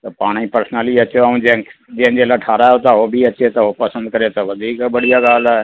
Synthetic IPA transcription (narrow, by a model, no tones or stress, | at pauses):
t̪ɐpaːɽ̃ĩpəɾsnəliɐt͡ʃoaũẽd͡ʒɪ̃ɦɪ̃nd͡ʑelaʈʰaːɾaot̪aɦobʱiɐt͡ɕet̪ɐopɐsə̃nd̪̚kɐɾet̪ɐʋɐd̪ʱiːkbɐɽ̤ijaɡaːl̤aɪ